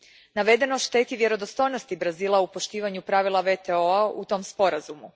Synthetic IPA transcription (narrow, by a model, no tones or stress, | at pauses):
naʋe̞d̪e̞noʃt̪e̞ːt̪iʋje̞ɾo̞d̪ost̪o̞jnost̪ibɾaziːlˠaupo̞ʃt̪iːʋaɲupɾaʋilˠaʋe̞t̪eoaut̪o̞mspo̞ɾazumu